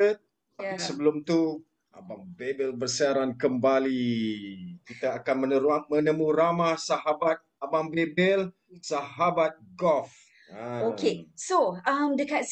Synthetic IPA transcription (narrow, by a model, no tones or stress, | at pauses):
ət̪̚ | asəbəlʊmt̪u | a̰baŋbebɛlbərsiaɾankəmbali | kit̪aːkanmənəamə̃nəmũɾamasaɦabat̪̚abambebɛl | saɦabat̪̚ɡɔf | aokesoamdəkat